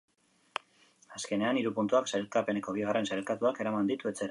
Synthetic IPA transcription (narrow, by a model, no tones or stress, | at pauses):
aske̞ne̞aniɾupunt̪uaksajlkape̞ne̞ko̞β̞iɣ̞are̞nsajlkat̪uake̞ɾamand̪it̪ue̞t͡se̞ɾa